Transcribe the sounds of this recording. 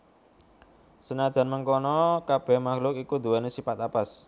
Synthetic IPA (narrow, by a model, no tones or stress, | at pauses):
sənad̪̥ä̤nməŋkɔnɔkab̥ɛ̤hmaxlʊkikud̪̥uɛnesifat̪apas